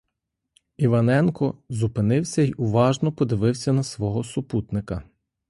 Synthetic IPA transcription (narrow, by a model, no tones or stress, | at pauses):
iʋɐnɛnkɔzʊpɪnɪwsʲɐiʔʊʋɑʒnɔpɔd̪ɪʋɪwsʲɐnɐsʋɔɦɔsʊput̪nɪkɐ